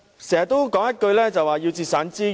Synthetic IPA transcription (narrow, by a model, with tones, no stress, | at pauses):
sɛː˨˩jɐ˨˩t̪ːo˥wkɔː˨˥ŋjɐ˥t̚kɵ˧ɥlɛː˥t͡sɐ˨waː˨ji˧wt͡siː˧t̚saː˨˥nt͡siː˥